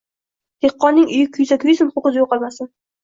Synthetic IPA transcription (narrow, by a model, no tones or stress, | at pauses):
d̪̥eqːɒnːɪŋʊjɪkʲʰʊjzakʲʰʊjɪsɪmʊχʊqɨzjoqɑlˠmasɪ